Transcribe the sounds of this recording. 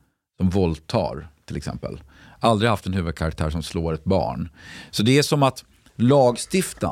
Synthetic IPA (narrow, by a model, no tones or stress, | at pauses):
sɔmvɔlt̪ʰːɑ̰ːɾt̪ʰɪlɛksɛ̰mpə̰l | ʔald̪ɾɪɡhaft̪ɛnhʉ̟ːvəd̪̚kʰaɾak̚t̪ʰæ̰ːɾʂɔmsloːɾɛt̪̚bɑ̰ːɳsɔd̪ɛæʂɔmat̪ | lɑːɡst̪ɪft̪a̰